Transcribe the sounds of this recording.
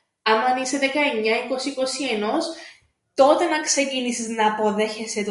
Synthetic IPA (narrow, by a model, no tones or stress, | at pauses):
ɐmɐniseðekɐeɲːɐiko̞siiko̞sie̞no̞s | t̪o̞t̪e̞nɐkse̞cinisiznɐːpo̞ðe̞çe̞set̪